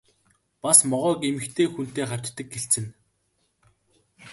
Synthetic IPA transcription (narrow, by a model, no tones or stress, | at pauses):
pasmɔʁœːkemɘ̆xt̪ʰeːxun̥t̪eːχḁt͡ɕt̪ːə̆k̚ɡeɬt͡sɘ̆n